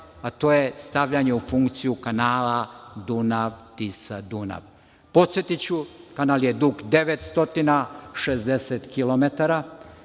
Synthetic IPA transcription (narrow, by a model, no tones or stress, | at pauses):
at̪o̞ːjest̪aʋʎaɲe̞ufuŋkt̪sijukanaːlad̪unaʋt̪isad̪una̰ʋ | po̞t̪sjet̪it͡ɕukanaljed̪ukd̪e̞ʋet̪st̪o̞t̪inaʃezd̪eset̪kilomet̪aɾa